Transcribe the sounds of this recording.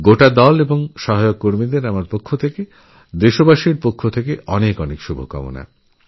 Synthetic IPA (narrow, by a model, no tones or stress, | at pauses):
ɡoʈad̪ɔleboŋʃɔɦajokːoɾmid̪eɾamaɾpokʰːot̪ʰeke | d̪eʃobaʃiɾpokʰːot̪ʰekeʔɔnekɔnekʃubʱokɔ̰mo̰na̰